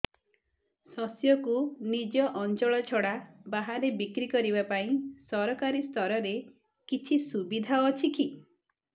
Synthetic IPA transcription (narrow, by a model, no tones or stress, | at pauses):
sɔsjɔkunid͡ʒɔʔɔnt͡ʃɔɭɔt͡ʃʰɔɽabaɦaɾebikɾikɔɾibapaĩsɔɾɔkaɾist̪ʰɔɾɔɾe | kit͡ʃʰisubid̪ʱaɔt͡ʃʰiki